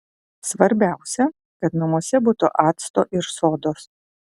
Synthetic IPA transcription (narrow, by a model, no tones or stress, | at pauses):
sʋɐɾʲbʲæˑʊsʲɛ | kɐt̪nɐmuɔsʲɛbuːt̪ʊʔɑːt̪st̪oːʔɪɾsoːd̪oːs